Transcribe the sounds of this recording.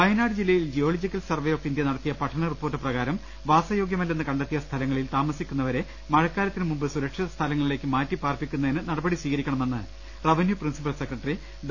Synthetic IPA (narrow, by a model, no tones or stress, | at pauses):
pɐjɐnaːɽɨd͡ʑilːɐjild͡ʑijo̞ːlod͡ʑikʲːɐlsɐrʋejokʈind̪jɐnɐɽɐt̪ːijɐpɐʈʰːɐɳɐripːo̞ːrʈːɨprɐɣaːɾɐm | ʋaːsɐjo̞ːɡjɐmɐlːenːɨkɐɳɖɐt̪ːijɐst̪ʰɐlɐŋːɐɭilt̪aːmɐsikʲːunːɐʋɐɾe̞ | mɐɻɐkːaːɾɐt̪ːinɨmumbɨsuɾɐkʂiðɐst̪ʰɐlɐŋːɐɭile̞ːkːɨmaːtːipaːrpikʲːunːɐðinɨnɐɽɐbɐɽisʋiːɣɐɾikʲːɐɳɐme̞nːɨ | rɐʋinjuprinsipɐlsekrɐʈːɐri